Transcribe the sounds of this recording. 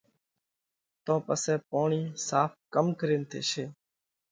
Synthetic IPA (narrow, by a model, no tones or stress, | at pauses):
t̪õːpəsɛːpoːɳiːsaːpkəmkəɾeːnt̪ʰḛːʃeː